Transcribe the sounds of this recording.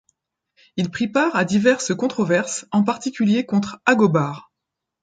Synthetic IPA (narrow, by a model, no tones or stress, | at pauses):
ilpχipaʁad̪ivɛʁsəkɔ̃t̪χɔvɛʁsɑ̃p̬aʁt̪ikʲyljekɔ̃t̪χaɡɔbaːʁ